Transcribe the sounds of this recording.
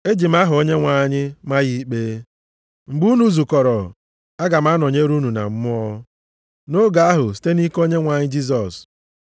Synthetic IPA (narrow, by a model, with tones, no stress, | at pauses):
e˦d͡ʒi˨m̩˦a˦ɦʊ˨o˦ɲe˦ŋʷa˨ɲɪ˦ma˦ji˦k͡peː˦ | ŋ͡m̩˨ɡ͡bu˦nu˨˦zu˨kɔ˨ɾɔ˨ | a˦ɡa˨m̩˦a˦nɔ˨ɲe˦ɾu˦nu˨na̰˨m̩˦mʊ˦ɔ˦ | no˦ɡa˨a˦ɦʊ˨s̬i̥˦te˦ni˦ko˦ɲe˦ŋʷa˨ɲɪ˦d͡ʒi˦s̬ɔ˨s